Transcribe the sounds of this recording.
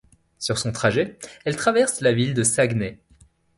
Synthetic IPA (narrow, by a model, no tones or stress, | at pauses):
syʁsɔ̃t̪χaʒɛɛlt̪χavɛʁslavild̪əsaɡnɛ